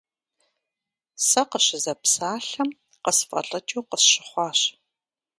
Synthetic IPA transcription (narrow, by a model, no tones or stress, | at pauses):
sɐqəɕɪzɐpsaːɬɐm | qəsfʼɐ̰ɮʼɐt͡ʃʼuwqəsɕɪχʷɑːɕ